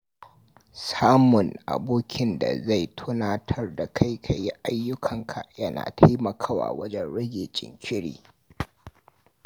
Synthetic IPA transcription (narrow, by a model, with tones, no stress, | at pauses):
saː˦mʊ˨nʔa̰˨boː˦kʲɪ˦nda̰˨za˦˨jtʰʊ˦naː˦tʰɐ˦rda˨kʰa˦jkʰa˨ji˦ʔa˦jːʊ˦kʰɐ˨ŋkʰa˨jɐ˦na̰ː˨tʰa˦jmɐ˨kʰaː˦˨wa̰ː˨wɐ˦d͡ʒɛ˦nɽɐ˦ɡʲeː˨t͡ʃʼɪ̰˨ŋkʲʰɪ˦ɽḭː˨